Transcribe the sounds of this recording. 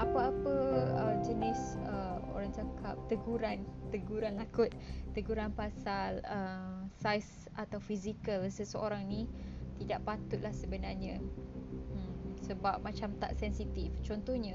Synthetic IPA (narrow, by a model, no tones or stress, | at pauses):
ʔapəapəəd͡ʒənisəo̰ɾaŋt͡ʃakap̚t̪əɡuɾant̪əɡuɾanlakʊt̪̚ːəɡuɾanpasaləsajs | at̪awfizikəlsəsəoɾaŋnit̪idaʔpat̪ʊʔ̪̚lahsəbənarɲã | səbap̚mãt͡ʃamt̪a̰ʔsɛnsit̪ift͡ʃɔnt̪ɔhɲa